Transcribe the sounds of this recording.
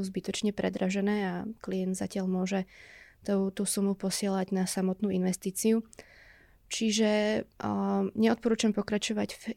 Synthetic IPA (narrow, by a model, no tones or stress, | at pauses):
uzbit̪ɔt͡ʃɲɛpɾʔɛd̪ɾaʒɛnɛːaklijɛnd̪za̰cɪaʎmʊɔʒɛt̪t̪usumupɔsɪɛlaɟnasamɔt̪nuːinʋɛst̪iːt͡siu | t͡ʃiʒɛ | ɲɛɔt̪pɔɾuːt͡ʃampɔkɾat͡ʃɔʋaɟf